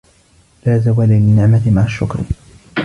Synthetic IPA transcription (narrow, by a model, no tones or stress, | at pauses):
laːzawaːlalɪnːɪʕmat̪maʕaʃːʊ̰kɾ